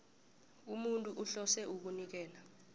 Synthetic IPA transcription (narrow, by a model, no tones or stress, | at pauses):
umuntʼuʔuɬɔsɛuk̬unik̬ɛːla